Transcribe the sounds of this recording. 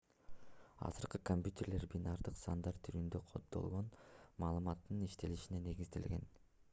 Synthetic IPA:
ɑ̰zɯɾqɯkomʲpʲjutʲe̞ɾle̞ɾbʲinɑɾd̪ɯqsand̪ɑɾt̪ʰyɾynd̪øqʰo̞̰d̪o̞̰lˠʁo̞nmɑːlˠɯmɑt̪ːɯniʃt̪e̞liʃine̞ne̞ɡizd̪elɡe̞n

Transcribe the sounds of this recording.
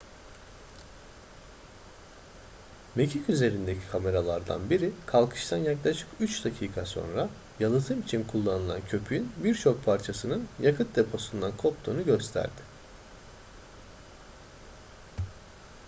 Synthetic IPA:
mecʰikyze̞ɾind̪e̞cʰi̥kʰame̞ɾalˠaɾd̪a̰nbiɾikʰalˠkʰɯ̥ʃt̪ʰanjaklˠaʃɯ̥kyt͡ʃd̪acʰiːkʰaso̞̰nɾa | jalˠɯt̪ʰɯmit͡ʃʰinkʰulˠːanɯlˠa̰ncʰø̞pʰyynbiɾt͡ʃʰo̞k̚pʰaɾt͡ʃʰasɯnɯnjakʰɯt̪̚d̪e̞pʰo̞sund̪ankʰo̞pt̪ʰṵːnuɟø̞st̪ʰæ̰ɾd̪̥ɪ̥

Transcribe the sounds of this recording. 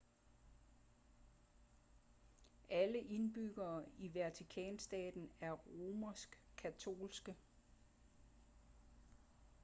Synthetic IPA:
ʔæləʔe̝nb̥yɡ̥ɐːiʋæɐt͡sʰikʰɛ̰ːnsd̥ɛ̰ːd̥n̩æɐʁo̝ːmɐsɡ̥kʰæt͡sʰo̝̰ːlsɡ̥ə

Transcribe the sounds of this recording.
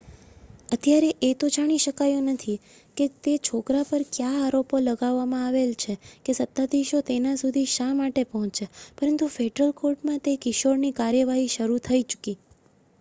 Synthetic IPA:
ət̪jaɾeʔet̪od͡ʒaɽ̃iʃəkajũnət̪ʰi | ket̪et͡ʃʰokɾapəɾkjaːɾopoləɡaʋːamãaʋelt͡ʃʰekesət̪ːad̪iʃot̪enasud̪ʱiʃamaʈepɔɦɔ̃t͡ʃepəɾənt̪ufeɖɾəlkoɾʈmãt̪ekɪʃoɾnikaɾjəʋaɦiʃəɾut̪ʰəit͡ʃu̥ki

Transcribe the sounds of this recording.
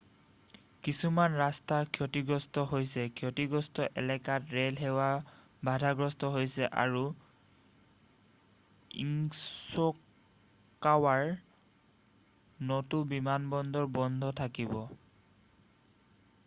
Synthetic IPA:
kisumanɹastakʰiɔtiɡɹɔstɔɦojsɛkʰjɔtiɡɹɔstɔʔɛlɛkatɹelɦɛwa | badʱaɡɹɔstɔɦojsɛʔa̰ɹu | ḭŋsɔ | awaɹ | notubimanbɔndʱɔɹbɔndʱɔtʰakibɔ

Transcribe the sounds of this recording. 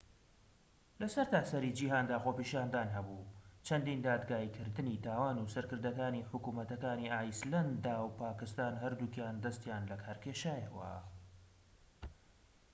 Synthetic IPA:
lɐsɐɾt̪asɐɾid͡ʒiɦaːnd̪aːxopiːʃaːnd̪aːnɦɐbuːt͡ʃʰɐnd̪iːnd̪aːd̪ɡaːikʰɨɾd̪ɨnit̪ʰaːwaːnusɐɾkɨɾd̪ɐkaːniħʊkuːmɐt̪ɐkaːniaːjslɐnd̪awpaːkɨst̪aːnɦɐɾd̪uːkjaːnd̪ɐst̪jaːnlɐkʰaːɾkʰeʃaːjɐwɐ̰

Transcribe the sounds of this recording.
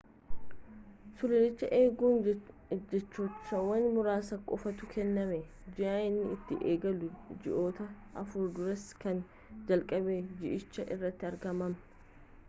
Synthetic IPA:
sʊlɪlɪt͡ʃːɐʔeːɡuːn | d͡ʒɛt͡ʃːuːsɐwɐnmʊɾaːsɐkʼɔfɐt̪ʊkʰɛnːɐmɛ | d͡ʒɪaːjɪnːɪɪt̪ːɪʔeːɡɐlʊd͡ʒɪ̰ʔo̞ːt̪ɐʔɐ̰fʊɾd̪ʊɾɐskɐn | d͡ʒɐlkʼɐbɛd͡ʒɪʔɪt͡ʃːɐʔɪrːɐt̪ːɪɐɾɡɐmɐm

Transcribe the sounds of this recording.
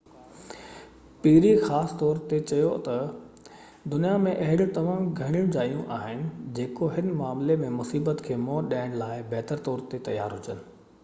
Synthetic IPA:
piːɾixaːst̪ɔːɾt̪et͡ɕɐjot̪ɐ | d̪ʊnijamẽʔɐɦɪlʊt̪ɐʋ̤ãːɡʱɐɽ̃iʊɽ̃ʊ̃d͡ʑaːijũʔaːɦɪnɪ̆d͡ʑeːkoɦɪnmaːmlemẽmʊsiːbət̪kʰeːmɔːɗaːɪɽ̃laːɪbɛɦt̪əɾt̪ɔːɾt̪et̪ɐjaːɾɦʊd͡ʑənɪ̆

